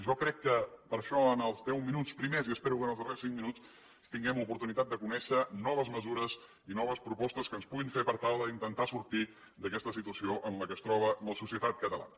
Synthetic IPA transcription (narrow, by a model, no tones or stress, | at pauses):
ʒɔkɾɛkːəpəɾʃɔənəlˠzðɛwminut͡spɾimeziəspɛɾukənəlˠzðəresiŋminut͡s | t̪iŋɡɛmupuɾt̪unit̪at̪̚d̪əkunɛʃənɔβəzməzuɾəz | inɔβəspɾupɔst̪əskənspuɣiɱfepəɾt̪alˠðəint̪ənt̪asuɾt̪i | d̪əkɛst̪əsit̪uəsioʔənləkəːst̪ɾɔβələsusiət̪at̪̚kət̪əlˠa̰nə